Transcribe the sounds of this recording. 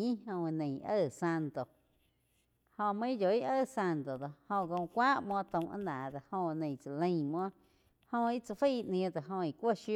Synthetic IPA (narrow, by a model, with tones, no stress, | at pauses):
ĩ˦hõ˧nẽ˨˧ʔə˦˨sa˧nt̪o˨ | hõ˧mə̃˦ĩ˦d͡ʒo˨i˦ʔə˦˧˨sa˧nt̪o˨d̪o˧˨hõ˧˨ɡõ˧kʷaː˦ʔmwɔ̃˦t̪ə̃˧wʔã̰˦nãː˨d̪a˨hõ˧nẽ˧˨t͡sa˨lə̃˧j̃m˧ɔ̃˦ | hõ˧i˦t͡sa˧fə˦˨˧ʔnĩ˧d̪a˨ɦõ˧i˨kʷo˦ʃu˦